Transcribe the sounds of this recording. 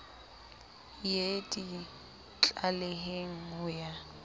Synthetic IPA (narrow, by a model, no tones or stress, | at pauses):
jedi | t͡ɬʼaleɦeŋ̩hʊja